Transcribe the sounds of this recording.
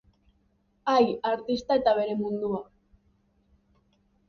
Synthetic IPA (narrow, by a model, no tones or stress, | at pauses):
ajaɾt̪ist̪ae̞t̪aβ̞e̞ɾe̞mund̪ua